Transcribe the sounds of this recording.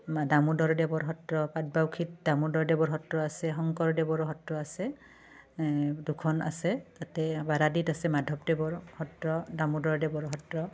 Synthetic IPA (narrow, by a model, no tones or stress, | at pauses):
damudɔɹdɛbɔɹɦɔtɹɔpat̚bawkʰit̚damudɔɹdɛbɔɹɦɔtɹɔasɛɦɔŋkɔɹdɛbɔɹɔɦɔtɹɔasɛ | dukʰɔna̰sɛzatɛbaɾaditasɛmadʱɔp̚dɛbɔɹhɔtɹɔdamudɔɹdɛbɔɹɦɔtɹɔ